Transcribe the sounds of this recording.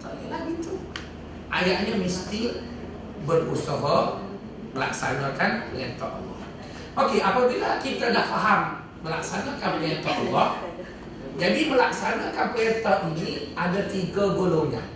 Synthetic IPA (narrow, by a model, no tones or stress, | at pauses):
t̪ɔʔnilabit̪u | ʔa̰jaʔɲamist̪i | bərusəɦa | məla̰k̚sanãkanpəlɛnt̪ɔ̰ʔa̰lːɔ̰h | ʔokeʔapabilakit̪adaʔfaɦamː | əla̰ksanãkanplɛnt̪ɔʔɔ̰lːɔh | d͡ʒadiməlaksanakanpɛt̪ɔʔid͡ʒiʔadat̪iɡaɡoloŋɲah